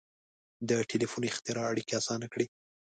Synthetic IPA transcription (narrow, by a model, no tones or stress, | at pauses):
d̪əʈʰelifunɪxt̪ɪɾɑaɽikeasɑnakɽi